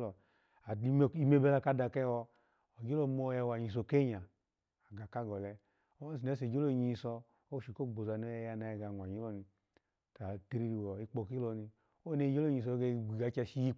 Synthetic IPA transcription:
lɔ˨ | a˨i˧˨i˧me˦bɛ˧la˧ka˧da˨kɛ˦wɔ˧ | ɔ˨ɡe˦lɔ˦mo˦jɛ˧˨wa˨ɲi˨s̬o˨ke˦ɲa˨ | a˨ɡa˨ka˦ɡɔ˨lɛ˧ | o˦si˨ɛ˦s̬e˨d͡ʒo˦lo˦˨ɲi˨sɔ˧ | o˦ʃi˨ko˦˨ɡ͡bo˨za˨n˦o˦jɛ˧ja˧na˧ɛ˧˨ɡa˨nʷ˨a˨ɲi˨˦lɔ˧ni˧ | ta˨te˧ɾi˦˧ɾi˧wɔ˨i˦k͡po˧ki˦lɔ˧ni˧ | o˦ne˧˦d͡ʒo˦lo˦˨ɲi˨s̬ɔ˧ɡe˧˦˨ɡ͡bi˨ɡa˨˦t͡ʃa˧ʃi˦ji˦

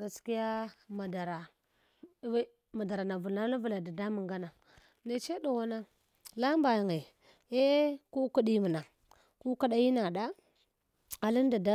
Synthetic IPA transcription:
ɡa˨ski˦ja˦ma˨da˨ɾa˨˦ | ma˨da˨ɾa˨na˨vu˨na˦la˦vu˨la˨da˨da˦mu˨ŋɡa˦na˨ | ne˨t͡ʃe˦ɗo˨wa˦na˦ | la˦mba˨jŋe˨ | e˦ku˦ku˦ɗi˦mu˨na˨ | ku˦ka˦ɗa˦ji˦na˨ɗa˦ | a˨li˦n˦da˨da˦

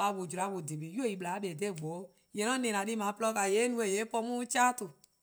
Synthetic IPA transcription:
a˧˨wo˨d͡ʒu˨ɾa˨˧˦wo˨di˨bi˨˦jo˦˨i˨ɓla˨˦ɓe˨de˦˨ɡ͡bo˨˦˨je˨nɔ̃˦nẽ˨nã˨di˦mã˨˦plɔ˧ka˨je˨˦nũ˧˦e˨je˨˦pɔ˧mũ˦t͡ʃa˦tu˨

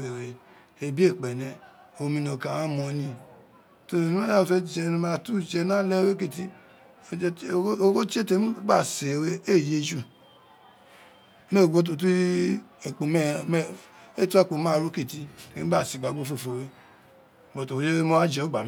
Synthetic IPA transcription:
e˨ɾe˨˧ | e˧bi˦e˦˨k͡pɛ˨nɛ̃˧o˨˧mĩ˧nõ˧˨kã˨wã˦mɔ̃˧nĩ˧˦ | to˧˨i˦a˦˨fe˦˨d͡ʒɛ˧˦n˧˦ma˧˨tu˦˨d͡ʒɛ˧nã˦lɛ˦we˦ki˦˨ti˦˧˨ | o˦ko˦t͡ʃe˦te˧˦u˦ɡ͡ba˦˨se˨˧we˦e˦˨je˦d͡ʒu˦˨ | me˦˨ɡo˦t̬o˧ti˦e˨k͡po˧m˦˨m˦e˦tu˦a˦˨k͡po˨˧˦mã˦˨ɾu˦ki˦˨ti˦te˨˦a˦˨si˨ɡ͡ba˨ɡo˦fo˦˨fo˨we˦˨ | o˨to˨o˨˧d͡ʒe˦e˦mo˦a˦d͡ʒɛ˧˦o˦ɡ͡ba˨m˦

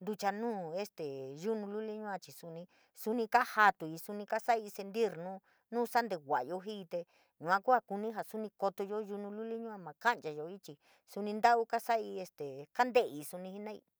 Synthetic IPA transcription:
nd̪u˧t͡ʃa˧nũː˦e˦st̪e˨ʒu˦nũ˧lu˦li˦ɲũ˦ã˧t͡ʃi˨su˧nĩ˧ | su˧nĩ˧ka˦ha˧t̪u˨i˧su˧nĩ˧ka˦sa˦i˧se˧nd̪i˦ɾnũ˦ | nũː˦sa˦nd̪e˧wʷa˨˧jo˧ɦi˦˧t̪e˧ | ɲũ˧˨ã˧ku˦a˧ku˧nĩ˦ɦa˨su˦nĩ˧ko˧t̪o˧jo˦ʒu˧nũ˧lu˦li˦ɲũ˦ã˧mã˨ka˦nt͡ʃa˧jo˧i˦t͡ʃi˧ | su˧nĩ˧nd̪a˦ʔu˦ka˦sa˦i˧e˧st̪e˨ka˦nd̪e˦˨i˧˨su˧nĩ˧hi˦nã˦ḭ˧

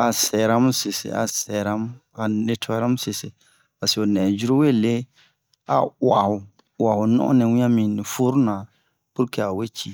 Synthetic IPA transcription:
a˨sɛ˨ɾa˦m˦sɪ˨sɪ̰˨a̰˨sɛ˨ɾa˦m˦ | a˨ne˦tʰɔ˦ɾa˦m˦sɪ˨sɪ˨ | a˨sɪ˨o˨nɛ˨d͡ʒu˦ɾo˦we˦˨le˦ | a˨wa˨hʊ˨ | wa˨hʊ˨nɔ̰˦ʔnɛ˨wĩ˦a˦mĩ˨nɪ˨fu˦ɾʊ˦na˨ | pʊ˦kɛ˨a˨we˦t͡ʃi˦˨

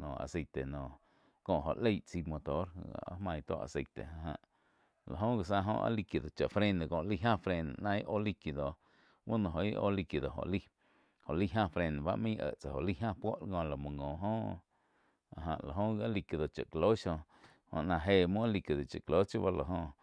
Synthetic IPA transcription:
nõː˨a̰˨se˧t̪e˨nɔ̃ː˨ | kõ˧ʔɦo˨ʔle˦jt͡si˧mo˧t̪o˦ɾa̰˦hmã˧j̃t̪o̰˦ʔa̰˨se˧t̪ḛ˨a˧ɦã̰˧ʔ | la̰˨ɦõ˦ɡa˨sã˧ɦõ̰˧ʔa̰˧˦li˧kji˧d̪o˨t͡ʃa˨ʔfɾẽ˦˧nd̪e˨kõ˧˨ʔli˦˧ɦã˦˨fɾe˧n̰˨nã˧i˦ʔo˦li˧ki˧˨d̪o˨ | wu˦nõ˧ɦõ˧˨i˦ʔo̰˦li˧ki˨d̪o˨ɦo̰˨li˦ | ho˨ʔli˦ɦã˦˧fɾe˧n˨ba˦ʔmĩː˦ʔə̰˧˨ʔt͡sa˨ho˨ʔli˦ɦã˦˧pwo˦ʔlŋõ˧la˨mũ˨ŋõ˨ɦõː˦ | a˨ɦã̰˧˨ʔla˨ɦõ˦a˦li˧ki˧˨d̪o˨t͡ʃa˨ʔklo˦ʃõ˧ | hõ̰˧˨ʔnã˧ɦe˧˨mũ˦a˦li˧ki˧˨d̪o˨t͡ʃa˨klo˦t͡ʃjo˦ba˦la˨ɦõ˧

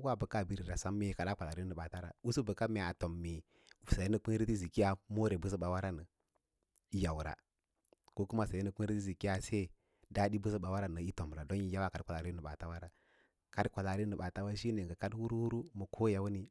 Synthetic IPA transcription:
wa˦˨bə˨ka˦˨bi˦ɾi˨ɾa˨sa˦mːe˦ka˨ɗa˦k͡pʷa˨la˨ɾi˦nə˨ɓa˨ta˦ɾa̰˨wu˦su˦bə˨ka˦me˨a˨to˨mːi˨ | sa˨je˦nə˨k͡pi˦ɾi˦ti˦zi˨ki˦ja˦mo˦ɾe˨bə˦s̬ə˦ɓa˨wa˦ɾa˦nə˨ | i˦ja˨wɾa̰˨ | ko˦ku˦ma˦sa˨e˦nə˦k͡pi˦ɾi˦ti˦zi˨ki˦ja˦se˦˨ | da˦di˦bə˦s̬ə˦ɓa˨wa˦ɾa˦nə˨i˦to˨m˨ɾa˨do˦ni˨ja˦wa˦ka˨˦kʷa˨a˨ɾi˦nə˨ɓa˨ta˦wa˦ɾa˨ | ka˦dkʷa˨la˨ɾi˦ə˨ɓa˨ta˦wa˦ʃi˦ne˨ŋɡə˨ka˦dwu˦ɾwu˦ɾu˦mə˨kʰo˦ja˨wu˦ni˨

